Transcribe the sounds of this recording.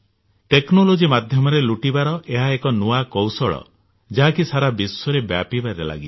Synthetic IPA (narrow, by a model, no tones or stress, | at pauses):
ʈeknolod͡ʒimad̪ʱjɔmɔɾeluʈibaɾɔʔeɦaekɔnuakowsɔɭɔ̰ | d͡ʒaɦakisaɾabisɔɾebja̰pibaɾela̰ɡi